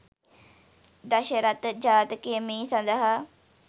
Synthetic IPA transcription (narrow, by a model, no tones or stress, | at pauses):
d̪əʃəɾət̪d͡ʒaːt̪keːmĩːsə̃nd̪əɦa